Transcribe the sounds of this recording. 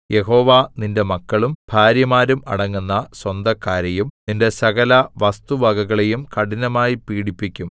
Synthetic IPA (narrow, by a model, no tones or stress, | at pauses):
je̞ɦo̞ːʋaːninde̞mɐkːɐɭumb̥ʱaːɾjɐmaːɾumɐ̰ɽɐŋːunːɐswɐnd̪ɐkːaːɾejumninde̞sɐɣɐlɐʋɐst̪uʋɐɡɐɣɐɭe̞jumkɐɽinɐmaːjipiːɽipːikʲːum